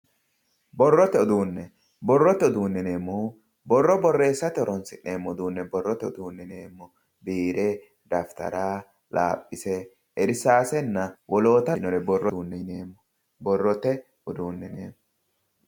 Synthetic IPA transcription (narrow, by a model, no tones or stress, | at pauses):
bɔrːɔt̪ːɛɔd̪uːnːɛ | bɔrːɔt̪ːɛɔd̪uːnːɛne̞ːmːɔ | bɔrːɔbɔrːe̞ːsːɐt̪ːɛɔɾɔnsɪneːmːɔd̪uːnːɛbɔrːɔt̪ːɛɔd̪uːnːɛneːmːɔ | biːɾɛ | d̪ɐft̪ɐ̰ɾaː | la̰ːpʼːɪsɛ | ɛɾɪsaːsɛnːɐwɔlo̞ːt̪ɐnɔɾɛbɔrːɔuːnːɛneːmːɔ | bɔrːɔt̪ːɛ | ɔd̪uːnːɛneːmːɔ